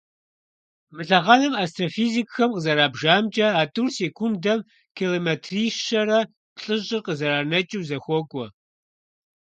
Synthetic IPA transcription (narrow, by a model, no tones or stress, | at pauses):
mɨɬɐʁɑnɨmaːstʰʼrofiːzikʼxɐmqəzɐɾaːbʒaːmt͡ʃʼɐaːtʼurseːkʷʰundɐm | kʰilometʰriːʃʃɐrɐ | pɬʼɨʑʼɪrqəzɐɾaːnɐt͡ʃʼiwzɐxʷɔkʷʼɔ